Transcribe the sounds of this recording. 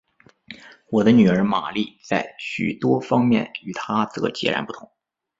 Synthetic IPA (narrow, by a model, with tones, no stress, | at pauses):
wɔ˨˩d̪ə˦ny˨˩ə˞˧˥ma˨˩li˥˩t͡sa˥˩ɪɕy̰˨˩t̪wɔ˥fɑ˥ŋmjɛ˥˩ny˨˩t̪ʰa˥t͡sɤ˧˥t͡ɕjɛ̰˧˥ɻa̰˧˥npu˥˩t̪ʰʊ˧˥ŋ